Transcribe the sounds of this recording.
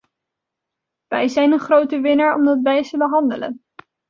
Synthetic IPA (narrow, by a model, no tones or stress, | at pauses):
ʋɛjzɛjnənχrowtəʋɪnaɹɔ̰mdɑtʋɛjsəbəɦɑndələ̰n